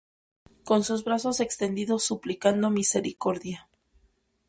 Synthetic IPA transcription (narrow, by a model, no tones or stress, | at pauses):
ko̞nsuzβɾaso̞se̞kst̪e̞nd̪iðo̞sːuplikand̪o̞mise̞ɾiko̞ɾðja